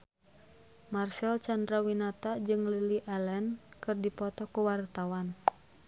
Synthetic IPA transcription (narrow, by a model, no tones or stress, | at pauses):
marsɛlt͡ʃandɾawinat̪ad͡ʒɨŋliliʔɛlɛnkɨrdipɔt̪ɔkuwart̪awan